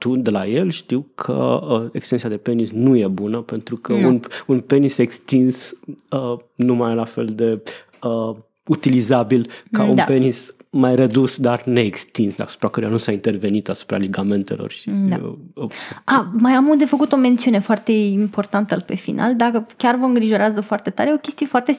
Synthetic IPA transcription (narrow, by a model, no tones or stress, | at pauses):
t̪ud̪elaje̞lʃt̪iwkʰə̰əekst̪ent̪sijad̪e̞pe̞nisnuje̞bunəpe̞nt̪ɾukʰəununpe̞nise̞kst̪insənumajlafe̞̰ld̪e̞ | ə | ut̪ilizabilkaunpe̞nismajɾəd̪usd̪arne̞ːkst̪insd̪a̰su̥pɾakəɾujanusaint̪e̞rve̞nit̪asu̥pɾa̰leɡame̞nt̪e̞̰lo̞̰rʃia | amajamuld̪e̞fəkut̪o̞me̞nt̪siune̞foart̪e̞impo̞rt̪ant̪əpe̞finʔa̰ld̪akəkʲarvəɨŋɡɾiʒo̞ɾazəfoart̪e̞t̪aɾeeo̞kʲe̞st̪ije̞foart̪e̞